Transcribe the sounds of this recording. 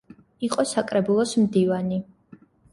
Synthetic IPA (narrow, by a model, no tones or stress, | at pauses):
iqʼɔsakʼɾɛbulˠɔsmd̪ivani